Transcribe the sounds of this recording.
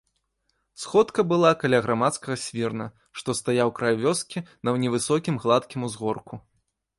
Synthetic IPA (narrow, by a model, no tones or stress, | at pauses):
sxɔt̪kɐbɨlˠakalʲaɣɾamat̪skɐɣɐsʲvʲirnɐ | ʂt̪ɔst̪ajawkɾajuvʲɔskʲinɐwnʲɛvɨsɔkʲimɣlˠat̪kʲimuzɣɔrku